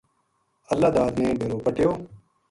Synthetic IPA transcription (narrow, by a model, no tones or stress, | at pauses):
əlːaːd̪aːd̪nẽːɖʱeɾoːpəʈjoː